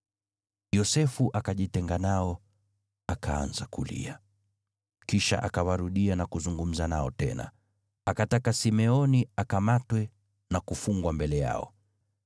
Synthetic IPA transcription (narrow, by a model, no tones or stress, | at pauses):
jɔsɛfuʔakaʄitɛŋɡanaɔ | akʰaa̰nzakulḭa | kiʃa̰ʔakawaɾuɗianakuzuŋɡum̩zanaɔtɛ̰na̰ | akatakasimɛɔniakamatwɛ | nakufuŋɡwambɛlɛja̰ɔ̰